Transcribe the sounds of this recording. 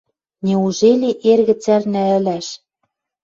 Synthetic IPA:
nʲeuʒelʲeʔerɣɘ̆t͡særnæ̆ɘ̆læʃ

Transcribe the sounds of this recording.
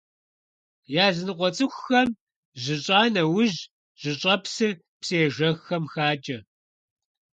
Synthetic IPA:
jaːzɨnɨqʷɔt͡sʼɨxʷːɐm | ʑɪɕʼaːnɐwʊʑ | ʒ̥ɨɕʼɐpsɨ | pseːʒɐɣxɐmxaːt͡ʃʼɐ

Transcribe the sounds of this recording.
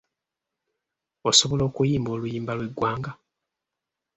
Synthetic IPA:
oso̞βo̞lo̞ːkujiːmbo̞ːlujiːmbalwe̞ɡwaːŋɡa

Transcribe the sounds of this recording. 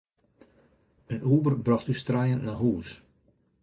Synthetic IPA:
ənʔuːbərbrɑxtystrajənnaɦuːs

